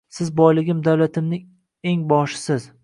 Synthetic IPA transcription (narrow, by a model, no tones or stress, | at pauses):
sɪzbɒjlɪɡʲɪmd̪awlat̪ʰɪmnɪŋ | e̞ŋbɒʃɪ̥sɪz